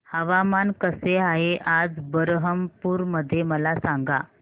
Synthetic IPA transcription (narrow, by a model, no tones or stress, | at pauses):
həʋamankəseaɦeʔad͡zbəɾɦəmpuːɾməd̪ʱːjeməlasaŋɡa